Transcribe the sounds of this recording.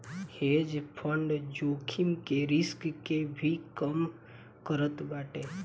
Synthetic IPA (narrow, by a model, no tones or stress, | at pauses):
hed͡ʒpʰəɳɖd͡ʒoːkʰimkeɾɪskkebʱikəm | kəɾət̪baːʈeː